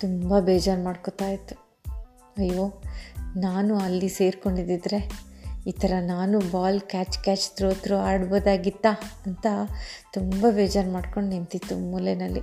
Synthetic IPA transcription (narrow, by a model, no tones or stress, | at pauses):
t̪umbɐbeːd͡ʒaːɾmaːɖkot̪aːjit̪ːu̥ | ɐjːoːnaːnuɐlːise̞ːɾko̞ɳɖid̪id̪ɾe̞iːt̪ʰɐɾɐnaːnubaːlkʲaːt͡ʃkaːt͡ʃt̪ɾoːt̪ɾuaːɽboːd̪aːɡit̪ːaɐnt̪ɐt̪umbɐbeːd͡ʒaːɾmaːɖko̞ɳɖnint̪it̪ːummulenɐlːḭ